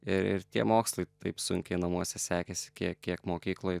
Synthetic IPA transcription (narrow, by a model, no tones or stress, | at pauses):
ɪɾɪ̰ɾt̪ʲiɛmoːkslˠɐɪt̪ɐɪpsʊ̰ŋʲkʲɛɪnɐmuɔsʲɛsʲæːkʲesʲɪ̥kʲiɛiɛkmoːkʲiːklˠoːj